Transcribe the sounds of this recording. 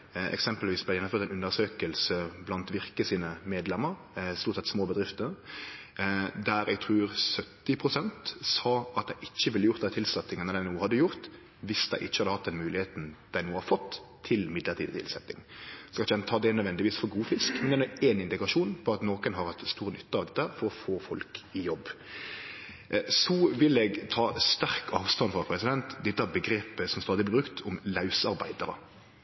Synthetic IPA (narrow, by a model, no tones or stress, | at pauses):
ɛ̰ksɛmpəlʋiːsblæɪjɛnːmføɾt̪æɪnʉnːəɾsøːkəlsəblɑnt̪ʋɪɾkəsiːnəmeːd̪lɛmːəɾ | st̪uːɾt̪sɛt̪smoːbəd̪ʁɪft̪ə | d̪æɾɛ̰ɡ̚t̪ʰʁʉːɾsœt̪ːɪpʰʁʊsɛnt̪sɑːɑt̪̚d̪æɪʔɪçːəʋɪlːəjʊʁt̪d̪æɪt̪ʰɪlsɛt̪ːɪŋənəd̪æɪnuːəhɑd̪ːəjʊʁt̪ | ʋɪsd̪̥æɪʔɪçːəhɑd̪əhɑt̪̚d̪ɛnmʉːlɪheːt̪n̩d̪̥æɪuːəhɑɾfɔt̪ʰː | ɪlmɪd̪ləʁt̪ʰiːd̪ət̪ʰɪ̰lsɛt̪ːɪ̰ŋskɑlɪçɛnt̪ʰɑːd̪ɛnœd̪ʋɛnd̪ɪʋiːsfɔɾɡuːfɪskmɛnd̪ɛnueːnɪnd̪ɪɡɑʂuːnpʰɔɑt̪noːkənɦɑɾhɑt̪st̪uːɾənʏt̪ːəɑʋd̪ɛt̪ːəæːɾfɔɾɔfoːfɔlkɪjɔbː | sɔʋɪlɛɡt̪ʰɑːst̪æɾkɑːʋst̪ɑnfʁɑpʰɾɛsɪd̪ɛnt̪d̪ɛt̪ːəæbəɡɾeːpəsɔmst̪ɑːd̪ɪblɪbɾʉkt̪ʰʊmlɑʉsɑɾbæ̰ɪd̪əɾə̰